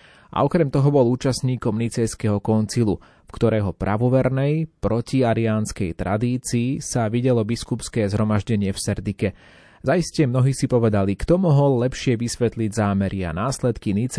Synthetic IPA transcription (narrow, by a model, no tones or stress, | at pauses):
ʔa̰ɔkɾɛmt̪ɔɦɔbɔluːt͡ʃasɲiːkɔmnit͡sɛjskɛɦɔkɔnt͡silu | fkt̪ɔɾɛːɦɔpɾa̰ʋɔʋɛɾnɛjpɾɔciaɾiaːnskɛjt̪ɾʔa̰d̪iːt͡siːsaʋiɟɛlɔbiskupskɛːzɦɾɔmaʒɟɛɲɪɛfsɛɾd̪ikɛ | zaiscɛmnɔɦiːsipɔʋɛd̪alikt̪ɔmɔɦɔlːɛpʃɪɛʋisʋɛt̪liɟzaːmɛɾʔia̰naːslɛt̪kinit͡s